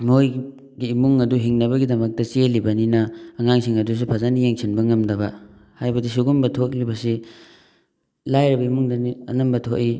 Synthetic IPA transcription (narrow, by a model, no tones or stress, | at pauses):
moj | ɡiːmuŋɐduɦiŋnɐbɐɡidɐmɐk̚tɐt͡ʃielibɐninɐːŋaŋsiŋɐdus̬upʰazanijeŋsʰinbɐŋɐmdɐbɐ | hajbɐdisuɡumbɐtʰoklibɐsi | lajɾɐbɐimuŋdɐniɐnɐmbɐtʰoʔi